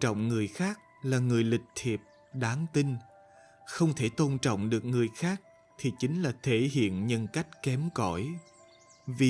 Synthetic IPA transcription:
t͡ɕɔ̰˧˨wŋ͡mŋɨ˨˩əjxaː˦˥k̚laː˨˩ŋɨ˨˩əjlï˨˩k̟̚t̪ʰi˨˩əp̚ | ɗaː˨˦ŋt̪i˧n | xə˧wŋ͡mt̪ʰe˧˩t̪o˧nt͡ɕɔ̰˧˨wŋ͡mɗɨ˨˩ək̚ŋɨ˨˩əjxaː˦˥k̚ | t̪ʰi˨˩t͡ɕï˨˦ŋ̟laː˨˩t̪ʰe˧˩ɦḭ˧˨ənɲə˧nka˦˥jk̟̚kɛ˨˦mkɔ˧˩j | vi˨˩

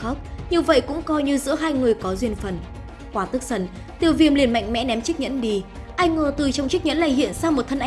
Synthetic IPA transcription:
ə˦˥k͡p̚ɲɨ˧və̰˧˨jkʊ̰˧˥ŋ͡mkɔ˧jɲɨ˧zɨ̰˧˥əɦaː˧jŋɨ˨˩əjkɔ˨˦zwi˧ənfə˨˩n | kwaː˨˩t̪ɨ˦˥k̚sə˧˩n | t̪i˨˩əwvi˧˩əmli˨˩ənma̰˧˨jŋ̟mɛ̰˧˥nɛ˨˦mt͡ɕi˦˥k̚ɲə̰˧˥nɗi˧ | ʔa˧jŋŋəː˨˩t̪ɨ˨˩t͡ɕwŋ͡mt͡ɕi˦˥k̚ɲə̰˧˥nla̰ː˧˨jɦḭ˧˨ənsaː˧mo˨˩t̚t̪ʰə˧nʔ

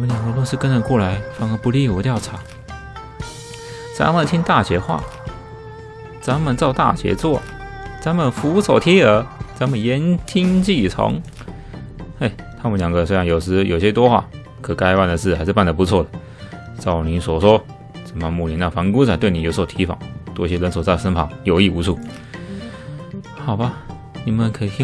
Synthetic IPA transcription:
wɔ˨mə˧˦nlja˨˩ŋɡə˧˦lwʂɻ̩˥˧kə˥nə˨˩kwɔ˥˩la˧˥˦ɪfɑ˧˥ŋə˧˦pu˧˥˦li˥˨wə˧˥t̪jɑ˥˩ʊʈ͡ʂʰa˨˧˥ | t͡sa̰˧˥nmə˨nt̪ʰi˦˥ŋt̪a˥˩ɕɥɛ˧˥xwa̰˥˩ | t͡sa˧˥nmə˨nt͡sɑ˥˧ʊt̪a̰˥˩ɕɥɛ̰˧˥t͡swɔ˥˩ | t͡sa˧˥nmə˨nfu˧˥so˨˩ʊt̪ʰjɛ˥ə˧˥t͡sa˧˥nmə˨njɛ˧˦nt̪ʰi˥ŋt͡ɕi˥˩t͡sʰo̰˧˥ŋ | e˥˩ɪt̪ʰa˥mə˧˨nljɑ˨˩ŋɡə˧swɻɑ˧˥ŋjo˨˩ʊʂɻ̩˧˥jo˨˩ʊɕjɛ˦˥t̪wɔ˥xwa̰˥˩ | kʰɤ˨˩ka˥ɪpa˥˩nd̪ə˨˩ʂɻ̩˥˩xa˧ɪʂɻ̩˥˧p̬a˥˩nd̪ə˩pu˧˥t͡sʰwɔ˥˩d̪ə˩ | t͡sɑ˥˩ʊni˧˥˦swɔ˨˩swɔ˥ | t͡sə˨˩mə˧mu˥˩li˨˩na˥˩fa˧˥nku˥t͡sʰa˧˥˦t̪we˥˩ɪni˨˩jo˧˥ʊswt̪ʰi˧˥fɑ̰˨˩˦ŋt̪wɔ˥˩ɕjɛ˥lə˧˥ns̬ɔ˨˩t͡sa˥˩ɪsə˥npʰɑ˨˥˦ŋjo˧ʊi˥˩u˧˥t͡sʰu˥˩ | xɑ˨˩ʊba˧ | ni˨˩mə˨nkʰə˧˥i˨˩i˥

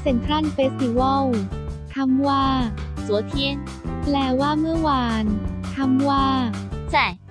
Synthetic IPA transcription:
se˨˩˦nk̪ʰɾa˥˨nfe˧˥si˧˩wɔ˥˩wt̪ʰa˧mwaː˥˩su˨˩˦t̪ʰi˧˥ə˨ŋ | plɛː˧˩waː˥˩mɯ˥˩ɐwaː˧nt̪ʰa˧mwaː˥˩t͡ɕa˥˩j

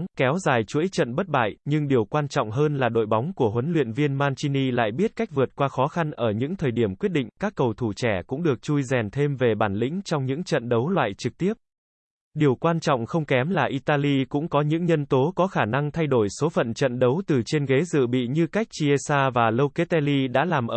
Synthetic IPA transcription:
kɛ˨˦wzaː˨˩jt͡ɕu˧˥əjt͡ɕə̰˧˨nɓə˦˥t̚ɓa̰ː˧˨jɲɨ˧ŋɗi˨˩əwkwaː˧nt͡ɕɔ̰˧˨wŋ͡mɦəː˧nlaː˨˩ɗo̰˧˨jɓa˨˦wŋ͡mku˧˩əɦwə˨˦nlwḭ˧˨ənvi˧ənmaː˧nt͡ɕi˧ni˧la̰ː˧˨jɓi˦˥ət̚ka˦˥jk̚vɨ˨˩ət̚kwaː˧xɔ˨˦xa˧nʔəː˧˩ɲɨ̰˧˥ŋt̪ʰəː˨˩jɗi˧˩əmkwi˦˥ət̚ɗḭ˧˨ŋ̟kaː˦˥kːə˨˩wt̪ʰu˧˩t͡ɕɛ˧˩kʊ̰˧˥ŋ͡mɗɨ˨˩ək̚t͡ɕu˧jzɛ˨˩nt̪ʰe˧mve˨˩ɓaː˧˩nlḭ̈˧˥ŋ̟t͡ɕɔ˧wŋ͡mɲɨ̰˧˥ŋt͡ɕə̰˧˨nɗə˨˦wlwa̰ː˧˨jt͡ɕɨ˨˩k̚t̪i˦˥əp̚ | ɗi˨˩əwkwaː˧nt͡ɕɔ̰˧˨wŋ͡mxə˧wŋ͡mkɛ˨˦mlaː˨˩ʔi˧t̪aː˧li˧kʊ̰˧˥ŋ͡mkɔ˨˦ɲɨ̰˧˥ŋɲə˧nt̪o˨˦kɔ˨˦xaː˧˩na˧ŋt̪ʰa˧jɗo˧˩jso˨˦fə̰˧˨nt͡ɕə̰˧˨nɗə˨˦wt̪ɨ˨˩t͡ɕe˧nɣe˨˦zɨ̰˧˨ɓḭ˧˨ɲɨ˧ka˦˥jk̟̚t͡ɕi˧ʔe˧saː˧vaː˨˩lə˧wke˦˥t̪ɛ˧li˧ɗa̰ː˧˥laː˨˩mʔː

